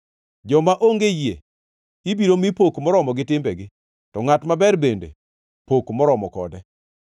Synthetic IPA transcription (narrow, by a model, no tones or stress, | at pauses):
d͡ʒɔmaʔoŋɡejiḛ | ibiɾomipokmɔɾɔmɔɡɪtɪmbɛɡɪ | tɔŋatmabɛɾbendḛ | pokmɔɾɔmɔkɔ̰dɛ